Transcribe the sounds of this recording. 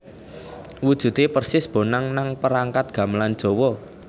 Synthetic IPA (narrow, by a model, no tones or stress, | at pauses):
wud̥ʒ̥ṳt̪epərsɪsb̥o̤naŋnaŋpəɾaŋkat̪̚ɡ̥ä̤mland̥ʒ̥owɔ